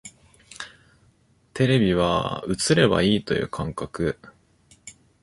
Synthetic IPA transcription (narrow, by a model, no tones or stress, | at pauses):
t̪ʰe̞ɾe̞bʲiβ̞a̰ɯ̟t͡sɨɾe̞ba̰iːt̪o̞jɯ̟̰ːkʰãŋkakɯ